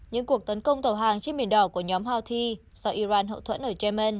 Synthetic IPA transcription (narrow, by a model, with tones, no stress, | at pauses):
ɲɨ̰˧˥ŋku˨˩ək̚t̪ə˨˦nkə˧wŋ͡mt̪ə˨˧˩wɦaː˨˩ŋt͡ɕe˧nɓi˨˩ənɗɔ˧˩ku˧˩əɲɔ˨˦mhaː˧wt̪ʰi˧ | sa˧wʔi˧zaː˧nɦə̰˧˨t̪ʰə̰˧˥nʔəː˧˩t͡ɕɛ˧mɛ˧n